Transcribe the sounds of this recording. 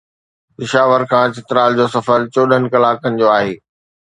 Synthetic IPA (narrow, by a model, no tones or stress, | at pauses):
pɪʃaːʋəɾkʰãːt͡ɕɪt̪ɾaːld͡ʑoːsɐfəɾt͡ɕoːɗənɪ̆kɐlaːkənɪ̆d͡ʑoːaːɦeː